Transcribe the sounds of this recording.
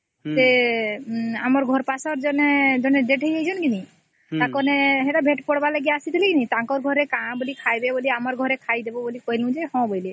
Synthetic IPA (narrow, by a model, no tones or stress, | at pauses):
se | amɔɾɡʱɔɾpasɔɾd͡ʒɔned͡ʒɔneɖeʈɦəjəjd͡ʒʰɔnkini | t̪ãkɔneɦeʈabʱeʈpɔɽbalaɡijaasit̪ʰilikinit̪ãkɔɾɡʱɔɾekãbolikʰajbeboliamɔɾɡʱɔɾekʰajd̪ebɔbolikɔɦilũd͡ʒehɔ̃bɔjle